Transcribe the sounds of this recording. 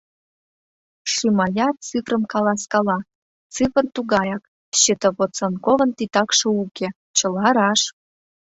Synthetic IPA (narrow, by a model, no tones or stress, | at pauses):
ʂimɑjɑt͡sɨfrəmkɑlɑskɑlɑ | t͡sɨfə̆rt̪uɣɑjɑk | ɕit̪əβot͡sonkovə̆nt̪it̪ɑkʃɤ̆ukʲe | t͡ɕə̆lɑɾɑʃ